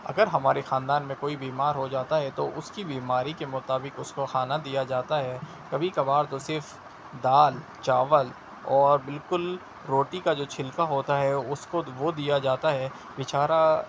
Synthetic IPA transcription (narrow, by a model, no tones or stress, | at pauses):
ɐ̰ɡəɾɦɐmaːɾexãːnd̪aːnmẽkoːibiːmaːɾɦod͡ʒaːt̪aɦɛt̪oʔʊskibiːmaːɾikemʊt̪aːbɪkʊskoxaːnad̪ijad͡ʒaːt̪aɦɛ | kɐbʱikɐbaːɾt̪osɪɾf | d̪aːl | t͡ʃaːʋəl | ɔːɾbɪlkʊl | ɾoːʈikad͡ʒoːt͡ʃʰɪlkaɦoːt̪aɦɛʊskoʋod̪ijad͡ʒaːt̪aɦɛ | ʋɪt͡ʃaːɾa